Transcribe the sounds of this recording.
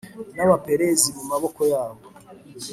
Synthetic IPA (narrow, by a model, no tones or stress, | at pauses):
naβape̞ɾe̞zimumaβo̞ko̞jaːβo